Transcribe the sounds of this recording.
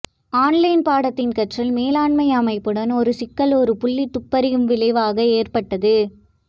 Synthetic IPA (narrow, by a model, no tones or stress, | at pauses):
aːnlɐɪnpaːɽɐt̪ːɪnkɐʈrɐlmeːlaːɳmɐjɐmɐɪpːɯɽɐnɔɾɯsɪkːɐɭɔɾɯpʊɭːit̪ːʊpːɐɾɪjɯmʋɪlɐɪʋaːɣɐeːrpɐʈːɐðɯ